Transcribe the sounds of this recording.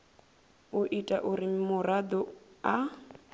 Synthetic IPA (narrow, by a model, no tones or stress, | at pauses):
uʔitʼaʔuɾimʊrad̪ɔa